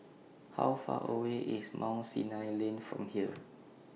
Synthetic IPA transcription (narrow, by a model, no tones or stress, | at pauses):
ha̰wfa̰ʔəweʔismʔãw̃nsinajlẽnfɹɔ̰̃mhiə